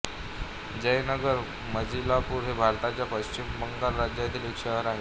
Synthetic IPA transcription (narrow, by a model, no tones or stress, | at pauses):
d͡ʑəjnəɡəɾ | məd͡ʑilapuːɾɦebʱaɾt̪at͡ɕjapəɕt͡ɕimːəŋɡaɾːad͡ʑjat̪iːlikʂəɦəɾaɦe